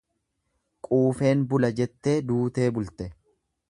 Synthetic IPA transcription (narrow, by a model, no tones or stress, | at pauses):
kʼuːfe̞ːnbʊlɐd͡ʒɛt̪ːe̞ːd̪uːt̪e̞ːbʊlt̪ɛ